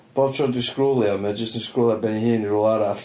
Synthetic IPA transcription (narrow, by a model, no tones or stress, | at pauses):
b̥oːb̥̚tʰrɔdiskrʊlˠjɔmɛd͡ʒəstənskrʊlˠjɔbɛnihɨːniɾʊːlˠaɾaɬ